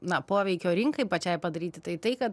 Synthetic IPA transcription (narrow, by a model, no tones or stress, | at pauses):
nɐpoːʋʲɛɪkʲoːɾʲɪŋkɐɪpɐt͡ʃʲɛɪpɐd̪ɐɾʲiːt̪ʲɪt̪ɐɪt̪ɐɪkɐt̪